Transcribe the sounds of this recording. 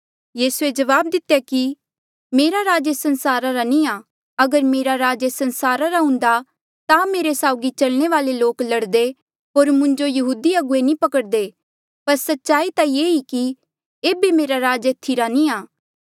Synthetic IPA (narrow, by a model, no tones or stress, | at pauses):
jiːsued͡ʒɐʋaːb̚d̪ɪt̪jaki | meːɾaɾaːd͡ʒesɐ̃nsaːɾaɾanĩa | ɐɡəɾmeːɾaɾaːd͡ʒesɐ̃nsaːɾaɾaɦʊ̃nd̪a | t̪ameːɾesaːʊɡit͡ʃɐlɽ̃eʋaːleloːklɐɽd̪e | ɦoːɾmʊ̃ɲd͡ʒojɐɦuːd̪iɐɡʊenĩpɐkəɽd̪e | pɐɾsɐtːʃaːit̪ajeːiki | eːbemeːɾaɾaːd͡ʒeːt̪ʰiɾanĩaː